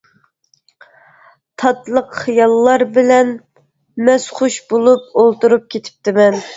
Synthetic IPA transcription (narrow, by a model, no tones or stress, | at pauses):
t̪ʰɑt̪lˠəqχijɑlˠːɑɾbɪlɛn | mɛsχuʃbolˠup̚olˠt̪uɾup̚kʲʰet̪ʰɪ̥p̚t̪ʰɪmɛn